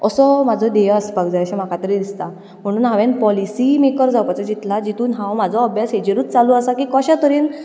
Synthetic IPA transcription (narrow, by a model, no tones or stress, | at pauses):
əsɔm̤ad͡zʱɔd̪ejəspaɡd͡zaəɕãm̤akat̪əɾiːd̪ist̪a | m̤əɽ̃uːnɦãʋẽnpɔlisimekəɾd͡zawpat͡sad͡ʑit̪lad͡ʑit̪uːnɦãwm̤ad͡zʱɔəbʱjasɦed͡ʑeɾuːt͡st͡saluəsakiːkəɕãt̪əɾiːn